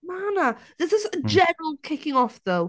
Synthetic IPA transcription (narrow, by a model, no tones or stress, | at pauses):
manəðəzəsəd͡ʒɛnəɹəl̩ˠkʰɪkɪ̃ŋɔfðoʊ